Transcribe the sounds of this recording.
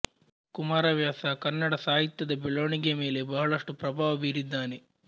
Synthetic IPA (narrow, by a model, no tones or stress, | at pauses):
kumaːɾɐʋjaːsakɐnːɐɽɐsaːɦit̪jɐd̪ɐbeɭoːɳiɡeme̞ːle̞bɐɦɐɭɐʂʈupɾɐbʱaːʋɐbiːɾid̪ːaːne